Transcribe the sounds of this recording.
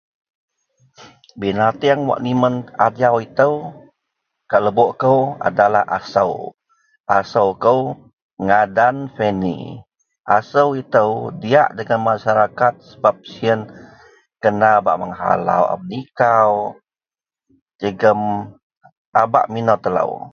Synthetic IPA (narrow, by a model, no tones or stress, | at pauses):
binat̪iaŋwa̰ʔnimənadawit̪əw | kaʔləboʔkəwa̰dalahʔa̰sə̰w | ʔasəwkəw | ŋadanfenḭ | ʔasəwit̪əwdia̰ʔdəŋanmaʃaɾakat̪̚səbap̚siən | kənaba̰ʔməŋɦa̰la̰wa̰mnikaw | d͡ʒəɡəm | aba̰ʔminɔt̪ələ̰w